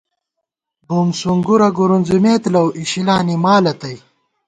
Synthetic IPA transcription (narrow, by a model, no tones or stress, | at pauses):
bumsuŋɡuɾɐɡuɾunzumeːt̪lɐwʔiɕilaːnimaːlɐt̪ɐj